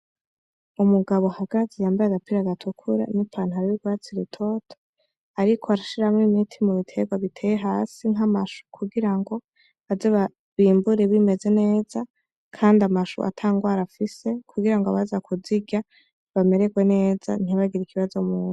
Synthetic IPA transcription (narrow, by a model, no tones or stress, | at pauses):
umuɡaβo̞haɡ̥azejaːmbaɾaɡapiɾaɡatʰukʰuɾa̰nupʰaːnhuaɾijiɡwaːt͡siɾitʰotʰo̥ | aɾikʰoaɾaʃiɾamŋimitʰimuβitʰe̞ɡwaβitʰejeɦaːsiŋɦamaʃu̥kʰuɡiɾaŋɡo̞ | azeβa | βiːmbuɾeβime̞ze̞ne̞ːz̥a | kʰaːndamaʃṵʔa̰tʰaːŋɡwaːɾafise̞kʰuɡiɾaŋɡoβazakʰuziɡa | βame̞ɾe̞ɡwe̞ne̞ːza̰n̥iβaɡiɾikʰiβazo̞muːnu